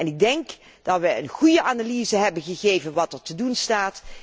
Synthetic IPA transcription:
ɛnɪɡ̚dɛŋk | d̥ɑtʋəənχujəʔaːnaliːzəɦɛbənχəɣejvənʋɑtəɹtədunstaːt

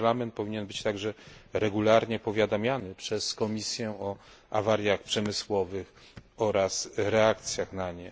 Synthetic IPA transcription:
lamɛnt̪̚pɔvʲiɲɛnbɘt͡ɕt̪aɡʐɛɾɛɡulaɾɲɛpɔvʲjad̪amʲjanɘpʂɛskɔmʲisʲjɛɔ | avaɾjaxpʂɛmɘswɔvɘx | ɔɾasɾɛakt̪sʲjaxnaɲɛ

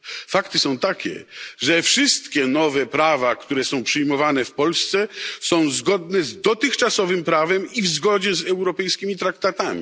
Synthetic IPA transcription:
fakt̪ɨsɔ̃w̃t̪akʲɛ̰ʐɛfʂɨst̪kʲɛnɔvɛpɾavakt̪uɾɛsɔ̃w̃pʂɨjmɔvanɛfpɔlst̪sɛsɔ̃w̃zɡɔd̪nɛzd̪ɔt̪ɘxt͡ʂasɔvɘmpɾavɛmivzɡɔd͡ʑɛzɛwɾɔpɛjskʲimʲit̪ɾakt̪at̪amʲḭ

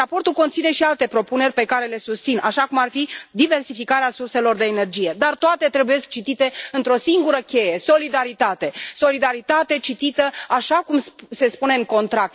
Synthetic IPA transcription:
apo̞rt̪ulko̞nt̪sine̞ʃialt̪e̞pɾo̞pune̞rʲpe̞kaɾe̞le̞sust̪sinaʃakumarfid̪ive̞rsifikaɾeasurse̞lo̞rd̪eːne̞rd͡ʒije̞d̪art̪oat̪e̞t̪ɾe̞buje̞sk̚t͡ʃit̪it̪e̞ɨnt̪ɾo̞siŋɡuɾəkʲe̞je̞so̞lid̪aɾit̪at̪e̞so̞lid̪aɾit̪at̪e̞t͡ʃit̪it̪əaʃakumsse̞spune̞ɨŋko̞nt̪ɾak̚t̪

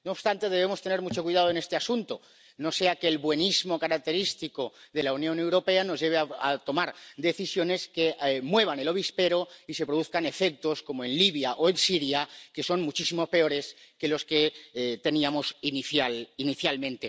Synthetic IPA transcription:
nooːpst̪ant̪e̞ðe̞β̞e̞mo̞st̪ene̞ɾmut͡ʃo̞kwiðað̞oe̞nest̪e̞asunt̪o | no̞se̞akelβwe̞nizmo̞kaɾak̚t̪e̞ɾist̪ikoðe̞launjone̞wɾo̞pe̞ano̞zʝe̞β̞eaat̪o̞maɾd̪e̞θisjo̞ne̞ske̞mwe̞β̞ane̞lo̞β̞ispe̞ɾo̞ise̞pɾoðuθkane̞fe̞k̚t̪o̞sko̞moe̞nliβ̞jaʔoensiɾjake̞so̞nmut͡ʃisimo̞spe̞o̞ɾe̞ske̞lo̞ske̞t̪e̞niamo̞siniθjaliniθjalmẽ̞nt̪e

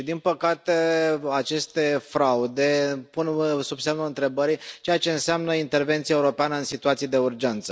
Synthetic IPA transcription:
d̪inpəkat̪eat͡ʃe̞st̪e̞fɾaud̪epunsubsemnuɨnt̪ɾe̞bəɾit͡ʃejat͡ʃe̞ɨnseamnəint̪e̞rve̞nt̪siaeuɾo̞peanəɨnsit̪uat̪sijed̪e̞urd͡ʒe̞nt̪sə

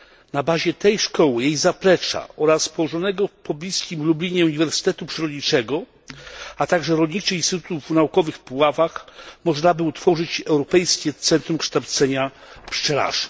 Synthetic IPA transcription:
nabaʑɛt̪ɛjʂkɔwɘjejzapɾɛt͡ʂa̰ɔɾaspɔwɔʐɔnɛɡɔpɔblʲiskʲimlublʲiɲɛuɲivɛɾsɘ̥t̪ɛt̪upʂɛɾɔd̪ɲit͡ʂɛɡɔ | at̪aɡʐɛɾɔlʲɲit͡ʂɘinst̪ɘt̪u̥t̪uvnaukɔvɘxpɔwavaxmɔʐnabɘut̪fɔʐɘt͡ɕɛwɾɔpɛjskʲɛt̪sɛnt̪ɾumkʂt̪awt̪sɛɲapʂt͡ʂɛla̰ʐɛ̥

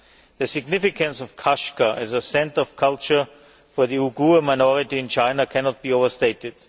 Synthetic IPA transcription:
ðɨsɪɡnɪfɪkə̃nsɔv̥kʰaʃkəʔɨzəsɛ̃ntəɔv̥kʰʌlˠt͡ʃə˞ | fə˞ðiuɡuəmaɪnɔɹɪtiɪ̃nt͡ʃʰãɪ̃nakʰɛnɔt̚b̥ioʊvə˞steɪtɪd̥

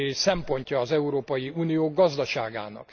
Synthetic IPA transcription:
sɛmpo̞ɲcɒːzɛuɾoːpɒjiuːnijoːɡɒzd̪ɒʃaːɡa̰ːnɒ̰k

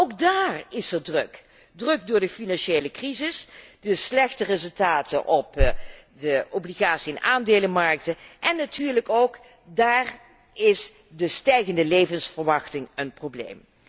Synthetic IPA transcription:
owɡ̚daːrɪsɛɹdrɵk | drɵk̚dʊːɹdəfinɑnʃejləkrizɪsdəslɛxtərɪzɵlˠtaːtə̰nʔɔpdəobliɣaːtsiɪnʔaːndeːləmɑɹk̚təʔɛnːatʰyːɹləkowk | daːr | ɪs | dəstɛjɣəndəlejvənsfəɹʋɑxtɪŋənprowblḛjm

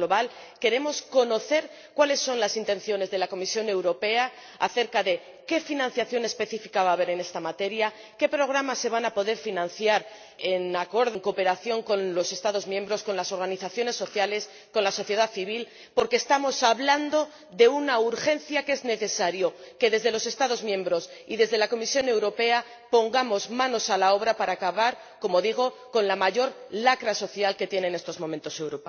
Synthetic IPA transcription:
loβal | ke̞ɾe̞mo̞sko̞no̞θe̞ɾ | kwale̞sːo̞nlasint̪e̞n̟θjo̞ne̞zðe̞lako̞misjo̞ne̞wɾo̞pe̞a | a̰θe̞ɾkaðe̞ | ke̞finãn̟θjaθjo̞ne̞spe̞θifikaβaːβ̞e̞ɾe̞ne̞st̪amat̪e̞ɾja | ke̞pɾo̞ɣ̞ɾamasːe̞β̞anapo̞ðe̞ɾfinãnθjaɾ | enako̞ɾðoŋko̞pe̞ɾaθjo̞ŋko̞nlo̞se̞st̪aðo̞zmjẽ̞mbɾo̞sko̞nlaso̞ɾɣaniθaθjo̞ne̞sːo̞θjale̞s | ko̞nlaso̞θje̞ð̞aθiβ̞il | po̞ɾkeːst̪amo̞saβland̪o̞ | ðe̞unauɾxe̞nθjake̞zne̞θe̞saɾjo̞ke̞ðe̞zðe̞lo̞se̞st̪aðo̞zmjẽ̞mbɾos | iðe̞zðe̞lako̞misjo̞ne̞wɾo̞pe̞a | po̞ŋɡamo̞zmãno̞salao̞β̞ɾapaɾaːkaβaɾ | ko̞mo̞ðiɣ̞o̞ko̞nlamaʝo̞ɾlakɾaso̞θjalke̞t̪jeneːne̞st̪o̞zmomẽnt̪o̞se̞wɾopa

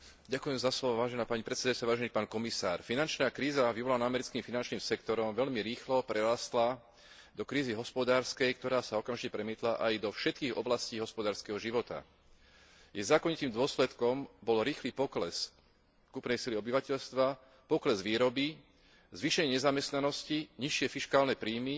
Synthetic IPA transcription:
ɟakujɛmzaslɔʋɔʋaːʒɛnaːpaɲipɾɛt̪sɛd̪ajʊt͡saʋaːʒɛnipaːnkɔmisa̰ːɾfinant͡ʃnaːkɾiːzaʋiʋɔlanaamɛɾit͡skimfinant͡ʃniːmsɛkt̪ɔɾɔmʋɛʎmiɾiːxlɔpɾɛɾast̪la | d̪ɔkɾiːziɦɔspɔd̪aːɾskɛjk̚t̪ɔɾaːsaɔkamʒicɛpɾɛmiːt̪laʔajd̪ɔfʃɛt̪̚kiːɣɔ̰blasciːɦɔspɔd̪aːɾskɛɦɔʒiʋɔt̪a̰ | jɛzaːkɔɲit̪iːmd̪ʊɔslɛt̪kɔmbɔlɾiːxliːpɔklɛs | kupnɛjsiliɔbiʋacɛʎst̪ʋa | pɔklɛzʋiːɾɔbi | zʋiʃɛɲɪɛɲɛzamɛst̪nanɔsciɲiʃɪɛfiʃkaːlnɛpɾiːmi

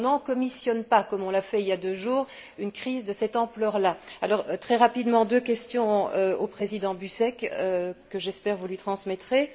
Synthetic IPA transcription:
nɑ̃kɔmisjɔnpakɔmɔ̃lafɛiljad̪øʒuːʁynkχizd̪əsɛt̪ɑ̃plœʁlaalɔʁt̪χɛʁapid̪mɑ̃d̪økʲɛst̪jɔ̃øopχezid̪ɑ̃bysɛkøkːəʒɛspɛʁvulɥit̪χɑ̃smɛt̪χe

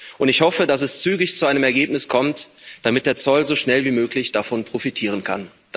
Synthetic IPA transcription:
ʔʊntɪçhɔfədasɛst͡syːɡɪçt͡suʔaɪnəmɛɐɡeːp̚nɪskʰɔmtd̥amɪt̚d̥eːɐt͡sɔlzoːʃnɛlviːmøːklɪçd̥afɔnpʁ̥ofitʰiːʁ̞ənkʰa̰n̥

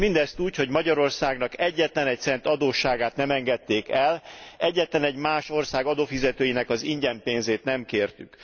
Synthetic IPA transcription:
mind̪ɛst̪uːcho̞ɟmɒɟɒɾo̞rsaːɡnɒkɛɟːɛt̪lɛnɛc̚t̪sɛnt̪ɒd̪oːʃaːɡaːt̪nɛmɛŋɡɛt̪ːeːkɛlɛɟːɛt̪lɛnɛɟmaːʃo̞rsaːɡɒd̪oːfizɛt̪øːjinɛkɒziɲɟɛmpeːnzeːt̪nɛmkeːrt̪yk

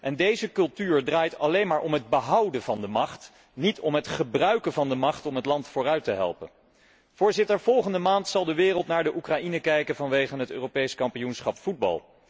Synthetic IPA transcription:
ʔɛndejzəkɵlˠtyːɹdraːjtɑlejnmaːɹʔɔmɦəd̚bəɦɑwdənvɑndəmɑχt | nitɔmɦətχəbrœɥkənvɑndəmɑχtɔmɦətlɑntfʊːrœɥtəɦɛ̰lˠpə̰n | v̥ʊːɹzɪtəɹv̥ɔlˠχəndəmaːntsɑlˠdəʋɪːrəlˠtnaːɹdəʔukrainəkɛjkəvɑnʋejχənɦətø̰ːrowpejskɑmpijunsχɑpfud̚bɑ̰lˠ

